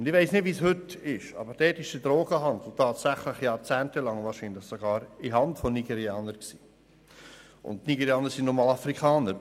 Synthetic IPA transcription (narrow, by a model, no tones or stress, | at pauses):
ʊndɪʋeɪsnɪdvishɵtɪʃɑ̰bəɾd̥ɛːtɪʃd̥ədɾoːɡ̥əɦɑnd̪l̩tʰɑːtsæχləχjɑːɾt͡sæːntəlɑŋvɑːɾʃinləχsoɡ̥ɑːɾiɦɑntfɔniɡɛɾiɑːnəɾksi̥ː | ʔʊ̰nttniɡɛɾiɑːnəɾsinnɔmɑːlɑfɾikχɑːnəɾ